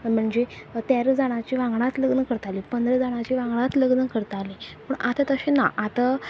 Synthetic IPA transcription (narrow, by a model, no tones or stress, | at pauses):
m̤əɳd͡ʑet̪jaɾd͡zaɽ̃at͡ɕiʋãŋɡɽat̪ləɡnəkəɾt̪alipənd̪ɾəd͡zaɽ̃at͡ɕiʋãŋɡɽat̪ləɡnəkəɾt̪alipəɳʔat̪at̪əɕena̰ʔat̪a